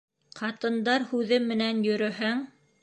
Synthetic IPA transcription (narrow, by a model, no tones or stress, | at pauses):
qʰɑt̪ɤ̆nd̪ɑɾhʉðɘmːɘ̆nænjɵ̆ɾɵ̆ɦæŋ